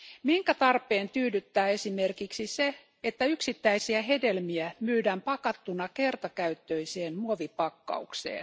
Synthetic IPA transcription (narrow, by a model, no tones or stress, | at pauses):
miŋkæt̪ɑrpːˑeːnt̪yːdyt̪ːæːe̞sime̞rkiksise | et̪ːæyksit̪ːæisiæɦe̞delmiæmyːdæmpɑkɑt̪ːunɑkert̪ɑkæyt̪ːøiseːnmuoʋipɑkːɑ̰uksḛːn